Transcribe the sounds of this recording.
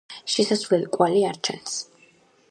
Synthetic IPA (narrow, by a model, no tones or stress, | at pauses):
ʃisasvlɛlkʼwaliaɾt͡ʃʰɛ̰ns